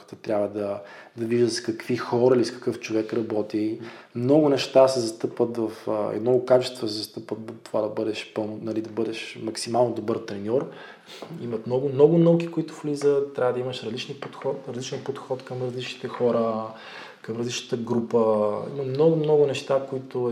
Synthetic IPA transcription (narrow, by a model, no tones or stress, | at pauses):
t̪ət̪ɾʲʔabvəd̪ɐd̪ɐviʒd̪əskɐkvixɔɾɐiliskɐ̥kɤft͡ʃovɛkɾɐbɔt̪imnɔɡʊnɛʃt̪asɛzɐst̪ɤpvət̪vɐfɛ̰d̪nɔɡʊkat͡ʃɛ̥st̪vɐsɛzɐst̪ɤpvət̪t̪ovad̪ɐbɤd̪ɛʃpɤnnɐlid̪ɐbɤd̪ɛʃmɐksimalˠnod̪obɤɾt̪ɾɛnʲɔɾ | imɐt̪mnɔɡʊmnɔɡʊnəwkikoit̪ʊ̥flizət̪ːɾʲavəd̪ɐimɐʃɾɐzlit͡ʃnipot̪xɔtɾɐzlit͡ʃɛnpot̪xɔt̪kɐmɾɐzlit͡ʃnit̪ɛxɔɾə | kɐmɾɐzlit͡ʃnə̥t̪əɡɾupəḭmɐmnɔɡʊmnɔɡʊnɛʃt̪akoit̪ʊ